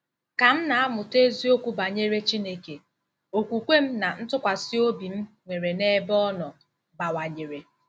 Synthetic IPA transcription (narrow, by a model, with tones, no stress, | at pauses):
ka˨m̩˦na˨a˦mʊ˨te˦zi˦o˦kʷu˦ba˨ɲe˦ɾe˦t͡ʃi˦ne˦ke˨ | o˨kʷu˨kʷe˦m̩˦na˨n̩˦tʊ˦kʷa˨si˦o˦bi˨m̩˦ | ŋʷe˨ɾe˨ne˦bɔ˦nɔ˨ | ba˨wa˨ɲe˨ɾe˨